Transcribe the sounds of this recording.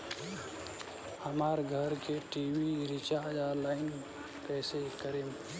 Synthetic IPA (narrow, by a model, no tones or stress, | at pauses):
həmaːɾɡʱəɾkeʈiːwiɾit͡ʃaːɾd͡ʒalaːɪn | pɛːsekəɾeːm